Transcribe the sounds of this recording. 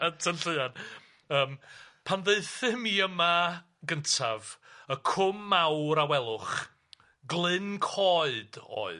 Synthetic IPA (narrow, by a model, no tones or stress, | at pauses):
ətʰənɬəɨad | əːmpʰanðeɨθɨmiəma | ɡəntʰa̰vəkʰʊmːawɾawɛlˠʊχ | ɡlˠɨnkʰɔɨd̥o̰ːɨ